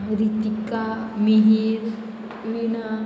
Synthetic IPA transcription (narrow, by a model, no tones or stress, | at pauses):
ɾit̪ikamiɦiɾ | ʋina